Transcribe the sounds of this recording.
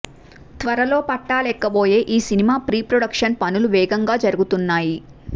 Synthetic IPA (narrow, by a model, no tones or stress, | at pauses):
t̪ʋɐɾɐlo̞ːpɐʈːaːlɛkːɐbo̞ːje̞ːʔiːsinimaːpɾiːpɾoɽɐkʂɐnpɐnuluʋɛːɡɐŋɡaːd͡ʒɐɾuɡut̪unːaːji